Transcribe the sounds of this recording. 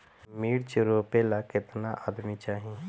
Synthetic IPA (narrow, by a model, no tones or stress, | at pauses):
miːɽt͡ʃɾoːpelakɪt̪naʔa̰ːd̪mit͡ʃaːɦie